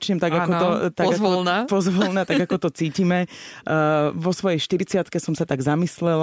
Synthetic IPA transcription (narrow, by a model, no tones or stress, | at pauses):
t͡ʃɲɛmt̪aɡakɔt̪ɔt̪aɡaɔlnapɔzʋɔlnɛt̪aɡakɔt̪ɔt͡siːcimɛ | ʋɔsʋɔjɛjʃt̪iɾit͡sɪat̪kɛsɔmsat̪aɡzamislɛl